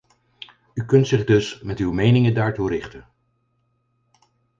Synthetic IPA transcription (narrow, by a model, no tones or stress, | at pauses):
ykɵntsɪχdɵsmɛtywmejnɪŋəndaːɹturɪχtən